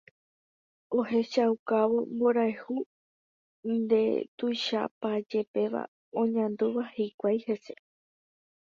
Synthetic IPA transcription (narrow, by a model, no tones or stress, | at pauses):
o̞he̞ʃaukaʋo̞mbo̞ɾaehu | nd̪e̞̰t̪ujʃa̰pad͡ʒe̞pe̞ʋa̰ | õ̞ɲãnd̪uʋahikʷajhe̞se̞